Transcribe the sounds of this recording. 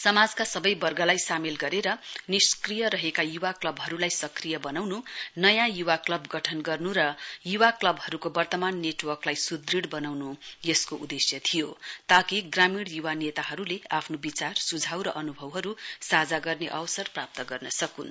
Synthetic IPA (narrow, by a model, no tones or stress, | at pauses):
sʌmad͡zkasʌbʌjbʌrɡʌlajsamilɡʌɾeɾʌniskrijʌɾʌɦekajuwaklʌbɦʌɾulajsʌkrijʌbʌnawnunʌjãjuwaklʌbɡʌʈʰʌnɡʌrnuɾʌjuwaklʌbɦʌɾukobʌrt̪ʌmanːeʈwʌrklajsud̪riɽbʌnawnujʌskoʔud̪esjʌt̪ʰijot̪ʌkiɡramiɽjuwanet̪aɦʌɾuleapʰnobit͡sarsud͡zʱawɾʌʔʌnubʱʌwɦʌɾusad͡zaɡʌrneʔʌwsʌrprap̚t̪ʌɡʌrnʌsʌkun